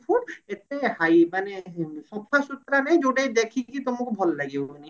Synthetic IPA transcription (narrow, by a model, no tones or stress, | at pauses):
pʰuʈet̪ehajmaneʃɔpʰːasut̪ːɾaned͡ʑoɖejd̪ekʰikit̪omokebʱɔllaɡeoni